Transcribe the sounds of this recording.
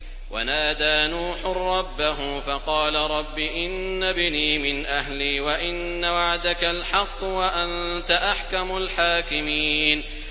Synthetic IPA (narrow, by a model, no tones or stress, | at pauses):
wa̰naːd̪aːnuːħʊrˤːɑbːaɦʊfɑqɑːlaɾˤɑbːiʔɪnːabɪniːmɪnʔaɦliːwaʔɪnːawaʕd̪akalħɑqːwaʔant̪aʔaħkamʊlħaːkɪmiːn